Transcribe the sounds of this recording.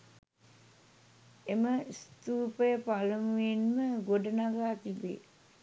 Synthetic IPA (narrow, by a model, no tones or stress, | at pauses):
eməst̪uːpəjəpaləmuenməɡoɖənaɡaːt̪ibḛː